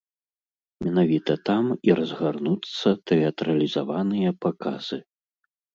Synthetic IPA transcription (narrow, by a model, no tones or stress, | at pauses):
mʲɛnavʲit̪ɐt̪amiɾɐzɣarnut̪sːɐt̪ɛɐt̪ɾɐlʲizavanɨjɐpaka̰z̥ɨ